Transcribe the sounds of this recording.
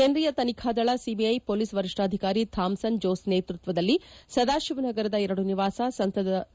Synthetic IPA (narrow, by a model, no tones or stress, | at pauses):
kenɾijɐt̪ɐnikʰaːd̪ɐɭɐsibiɐjpoːliːsʋɐɾiʂʈaːd̪ʱikaːɾit̪ʰaːmsɐnd͡ʒoːsneːt̪ɾut̪ʋɐd̪ɐlːisɐd̪aːʃiʋnɐɡɐɾɐd̪ɐɛɾɐɽuniʋaːsɐsɐnt̪ɐd̪